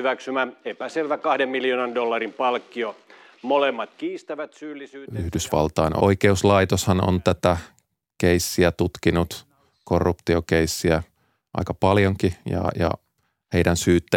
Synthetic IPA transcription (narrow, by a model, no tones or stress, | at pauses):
yʋæksymæepæselʋækɑhdemmiljoːnɑndolːɑrimpɑlkːio | molemːɑt̪kiːst̪æʋæt̪syːlːisyːyhdysʋɑ̰lt̪ɑino̰ikeuslɑit̪oshɑno̰nt̪æt̪æ | keisːiæt̪ut̪kinut̪ | korːupt̪iokeisːiæ | ʔɑ̰ikɑpɑljoŋkijɑ̰jɑ̰ | heidænsyːt̪ːæ